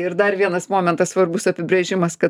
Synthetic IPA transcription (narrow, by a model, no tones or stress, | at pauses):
ɪɾd̪ɐrʋʲiɛnɐsmoːmʲɛnt̪ɐsʋɐrbʊsɐpʲɪbʲɾʲeːʒʲɪmɐskɐ